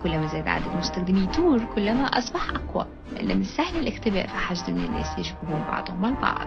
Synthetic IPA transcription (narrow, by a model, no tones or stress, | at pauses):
kʊlːæmæzæːd̪ʕa̰ːd̪æd̪mʊst̪æxd̪ɪmit̪uːɾkʊlːæmæʔɑsˤbɑħʔaqwæ̰ | lʔɪ̰nːæmɪnsæhlɪlʔɪxt̪ɪbæ̰ːʔfiħaʒd̪mɪnɪ̰nːæ̰ːsjɪʒbubuːmbɑ̰ʕd̪ˤhʊmʕalbɑ̰ʕd̪̥